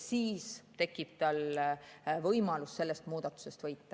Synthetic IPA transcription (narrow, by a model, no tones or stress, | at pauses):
siːst̪e̞kːˑib̥̚t̪ɑl | vɤjmɑlusːe̞lːest̪muːd̪̥ɑt̪ːˑu̥se̞st̪vɤjt̪ːˑɑ